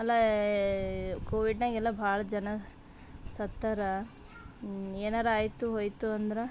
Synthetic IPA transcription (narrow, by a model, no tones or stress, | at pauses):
ɐlːɐ | koːʋiɖnaːɡɛlːɐbʱaːɭɐd͡ʒɐnɐ | sɐt̪ːɐɾɐ | eːnaːɾaːjt̪uɦoːjt̪uɐnd̪ɐɾe